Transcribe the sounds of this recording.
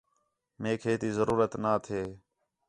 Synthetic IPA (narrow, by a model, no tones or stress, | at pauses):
meːkʰeːt̪iːzəɾuːɾət̪naːt̪ʰeː